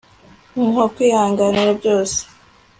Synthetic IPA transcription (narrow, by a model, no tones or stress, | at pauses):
muɦokwiːhaːŋɡaniɾabjoːse̥